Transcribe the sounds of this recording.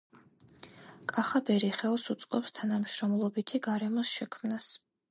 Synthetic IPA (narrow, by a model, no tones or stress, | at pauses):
kʼaχabɛɾiχɛlˠsut̪sʼqʼɔpst̪ʰanamʃɾɔmlˠɔbit̪ʰiɡaɾɛmɔsʃɛkʰmnas